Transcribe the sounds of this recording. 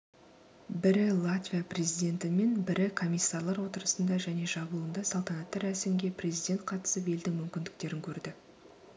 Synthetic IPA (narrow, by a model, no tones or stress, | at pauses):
bɪɾɪlˠat̪vʲijaprʲe̞zijd̪ʲe̞nt̪ɪme̞nbɪɾɪkʰo̞mʲijsːaɾlˠɑɾwo̞t̪əɾəsənd̪ɑʒæne̞ʒɑblˠuənd̪ɑsɑlˠt̪ɑnɑt̪ːɑɾæsɪmɡʲe̞prʲe̞zijd̪ʲe̞nt̪̚qʰɑt̪ə̥səpe̞ld̪ɪŋmʏmkʲɪnd̪ɪk̚t̪e̞ɾɪŋkʲʰɵɾd̪ɪ